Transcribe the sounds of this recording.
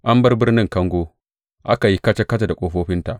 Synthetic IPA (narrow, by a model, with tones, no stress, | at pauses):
ʔa˦mbɐ˦rbɪ˦rnɪ˦ŋkɐ˦ŋɡʷoː˦ | ʔa̰˦ka˨ji˦kɐ˦t͡ʃe˦kɐ˦ta˨da˨kʷʼoː˦ɸoː˦ɸɪ˦nta˨ʔ